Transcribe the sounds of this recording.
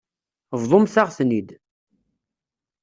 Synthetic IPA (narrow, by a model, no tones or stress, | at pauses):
vðˤomθaʁθnid̪